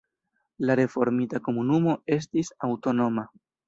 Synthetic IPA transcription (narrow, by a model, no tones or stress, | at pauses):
laɾe̞fo̞ɾmitako̞munumo̞e̞s̬tisawto̞no̞ma